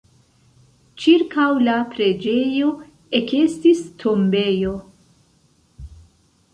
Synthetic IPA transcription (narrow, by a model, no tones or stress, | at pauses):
t͡ʃiɾkawlapɾe̞d͡ʒe̞jo̞ | ekestistʰo̞mbe̞jo̞